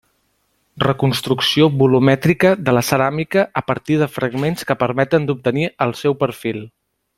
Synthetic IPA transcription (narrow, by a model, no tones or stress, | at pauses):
rəkunst̪ɾuksioβulumɛt̪ɾikəðələsəɾamikəəpəɾt̪ið̞əfɾəɡmenskəpəɾmɛt̪ənd̪up̚t̪əniəlˠsɛwpəɾfilˠ